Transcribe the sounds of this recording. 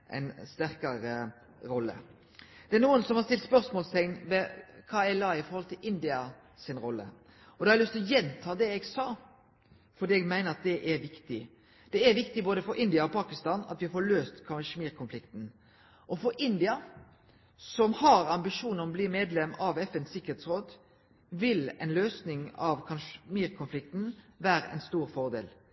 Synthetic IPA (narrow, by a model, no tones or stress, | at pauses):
ʔæ̰ɪnst̪æɾkɑɾə | ɾɔlːə̰ | d̪̥ɛænuːənsɔmhɑɾst̪ɪlt̪spœɾsmoːlst̪ʰɛŋnʋɛkʰɑːɛlɑːɪfɔɾhɔlt̪ʰɪlɪnd̪ɪɑ | sɪnɾɔlːə̰ | ɔd̪ɛhɑɾlʏst̪ɔjɛnt̪ʰɑːd̪ɛɛɡsɑː | fɔɾd̪iːɛɡmæɪnəɾɑt̪̚d̪ɛʔæɾʋɪkt̪ɪ | d̪̥ɛæʋɪkt̪ɪboːd̪əfɔɾʔɪnd̪ɪɑɔpʰɑːkɪst̪ɑːnɑ̰t̪ʋɪfoːɭøːst̪kʰɑʃmiːɾkʰʊnflɪkt̪n | ʔɔfɔɾʔɪnd̪ɪɑ | sɔmhɑɾɑmbɪʂuːnəɾɔbliːmeːd̪lɛmɑʋɛfɛnsɪkːəheːt̪sɾoːd̪ | ʋɪlɛ̰nløːsnɪŋɑʋkʰɑnʃmiːɾkʰʊnflɪk̚t̪nʋæːɾəʔɛ̰ɪnst̪uːɾfɔɾd̪ḛːl